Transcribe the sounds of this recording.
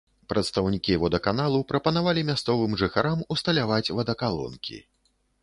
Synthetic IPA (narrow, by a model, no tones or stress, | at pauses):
pɾɐt̪st̪ɐwnʲikʲijvɔd̪ɐkanalˠupɾɐpɐnavalʲimʲast̪sɔvɨmʐɨxaɾamust̪ɐlʲavat͡sʲvɐd̪ɐkalˠɔ̰nkʲḭ